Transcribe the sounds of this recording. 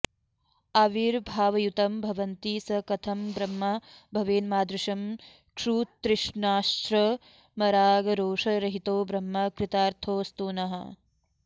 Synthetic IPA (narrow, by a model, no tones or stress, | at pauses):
ɐʋiɾbʱaːʋɐjut̪ɐmbʱɐʋɐnt̪iːsɐkɐt̪ʰɐmbɾɐmːɐbʱɐʋeːnmaːd̪ɾuʃɐm | kʃuːt̪ɾɪʂɳaːʃɾɐ | mɐɾaːɡɐɾoːʂɐɾɐɦit̪oːbɾɐmːɐkɾɪt̪aːɾt̪ʰoːst̪uːnɐɦɐ̰